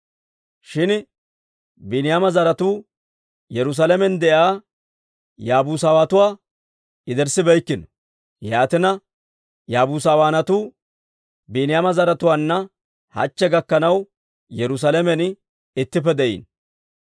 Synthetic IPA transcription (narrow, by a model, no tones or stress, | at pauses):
ʃɪn | bɪnɪjamɐzɐɾɐt̪uː | jɛɾʊs̬alɛmɛnd̪ɛʔaː | jaːbuːs̬aːwaːt̪ʊwaː | ɪd̪ɛɾsɪbɛjkːɪnɔ | jaːt̪ɪnɐ | jaːbuːs̬aːwaːnɐt̪uː | binɪjaːmɐzɐɾɐt̪ʊwaːnːɐ | hɐ̰t͡ʃːɛɡɐkːɐnɐw | jɛɾʊs̬alɛmɛn | ɪt̪ːɪp̬ːɛd̪ɛʔḭːn